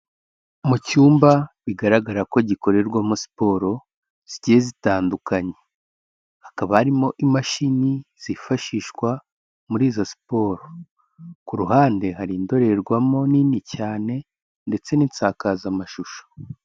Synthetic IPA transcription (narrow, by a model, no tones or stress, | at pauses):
mucuːmbaβiɡaɾaɡaɾako̞ɟiko̞ɾe̞ɾɡwamusi̥po̞ɾo̞ | z̥iɟiezitaːndukaɲe̞ | hakaβahaɾimo̞ʔimaʃiniz̥ifaʃiːʃkwa | muɾiːzosi̥po̞ːɾo | kuɾuɦaːnde̞haɾiːndo̞ɾe̞ɾɡwamo̞ninicaːne̞ | nde̞t͡se̞nint͡saːkazamaʃuʃo̥